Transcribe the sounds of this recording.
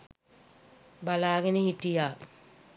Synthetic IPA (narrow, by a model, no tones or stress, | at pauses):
balaːɡenehiʈːijaː